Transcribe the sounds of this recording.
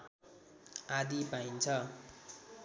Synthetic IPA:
ad̪ipaint͡sʰʌ

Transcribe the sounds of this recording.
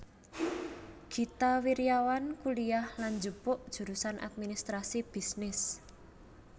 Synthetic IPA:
ɡ̥i̤t̪awiɾijawankuliahland͡ʒupʊʔd̥ʒ̥ṳɾusanʔa̰t̪̚minist̪ɾasib̥i̤snɪs

